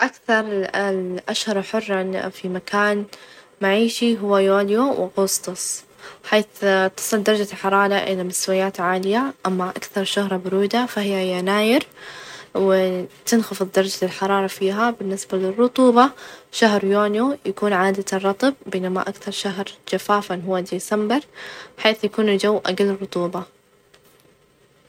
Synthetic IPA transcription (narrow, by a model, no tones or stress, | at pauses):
ʔakθɑɾˤlʔaʃhɑɾˤħʊrˤːɪn̰fimakʰaːn | maʕiːʃiɦʊwːajoːljowʔɪɣost̪ˤʊsˤ | ħeːθt̪ɨ̥sˤɨld̪ɑɾˤɑd͡ʒalħɑɾˤɑːɾˤɑʔɪ̰lamɪswajaːt̪ʕaːlɪjaʔamːaʔakθɑɾˤʃahɾˤɑbʊɾuːd̪afahɪjːajanaːjɪɾ | wɪt̪ɪnxɑfɨðˤd̪ɑɾˤɑd͡ʒalħɑɾˤɑːɾˤɑfiːɦabɪnːɪsbalɪrːʊt̪ˤuːbɑʃaɦɾjoːnjojakuːnʕaːd̪arˤːɑt̪ˤɨb̚beːnama̰ʔakθɑɾˤʃaɦɾˤd͡ʒafaːfanɦʊːad̪iːsambɪɾˤbɪħeːθjakuːnd͡ʒawːʔa̰ɡalːɪrˤːʊt̪ˤuːbɑ